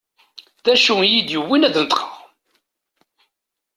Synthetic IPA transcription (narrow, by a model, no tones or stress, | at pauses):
ðæʃujid̪jəwːinæðnət̪ˤqəʁ